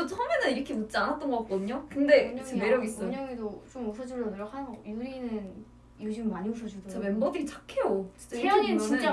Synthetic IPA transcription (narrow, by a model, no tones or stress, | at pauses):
ʌt͡ɕʰʌmenɯniɾʌkʰemut̚t͡ɕ͈ianat̚t͈ʌnɡʌkat̚k͈ʌdɯɲokɯnde̞emeɾjʌɡis͈ʌɲʌŋedot͡ɕomusʰʌd͡ʑuʎːʌdoɾokhanjuɾinɯn | juɕʰimmaɲius̬ʰʌd͡ʑudt͡ɕamembʌdit͡ɕʰḁkʰe̞jot͡ɕi̥t͡ɕ͈aʌɲit͡ɕit͡ɕa